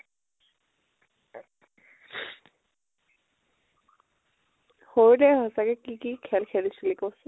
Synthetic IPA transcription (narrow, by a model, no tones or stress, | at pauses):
hoɹdɛɦɔsakɛkikikʰɛlkʰɛlisulikos